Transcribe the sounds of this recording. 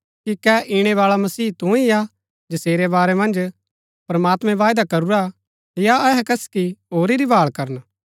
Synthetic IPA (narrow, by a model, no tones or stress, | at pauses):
kikɛʔiɽ̃ɛʋaːɭamɐsiːt̪ũija | d͡ʒɐseːɾebaːɾɛmɐ̃nd͡ʒ | pɾɐmaːt̪mɛ̃ʋaːjd̪akɐɾuɾa | jaɛɦɛkɐskiɦoːɾiɾibaːɭkɐɾən